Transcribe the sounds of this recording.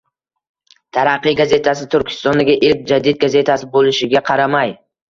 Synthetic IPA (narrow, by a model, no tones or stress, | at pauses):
t̪ʰaɾɑqːɨjɡaze̞t̪ʰasɪt̪ʰʊɾkʲʰɪ̥st̪ɒnd̪aɡʲɪʔɪlk̚ʲd͡ʒad̪id̪̚ɡaze̞t̪ʰasɪbolɪʃɪɡʲaqʰɑɾamaj